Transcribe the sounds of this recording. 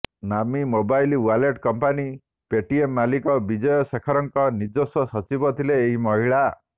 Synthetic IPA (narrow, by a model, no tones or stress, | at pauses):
namimobajlwaleʈkɔmpani | peʈiemːalikɔbid͡ʒɔjɔsekʰɔɾɔŋkɔnid͡ʒosɔsɔt͡ʃibɔt̪ʰileːɦimɔɦiɭa